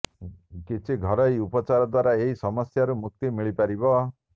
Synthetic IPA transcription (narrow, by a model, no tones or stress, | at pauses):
kit͡ʃʰiɡʱɔɾɔjupɔt͡ʃaɾɔd̪waɾaeɦisɔmɔsjaɾumuk̚t̪imiɭipaɾibɔ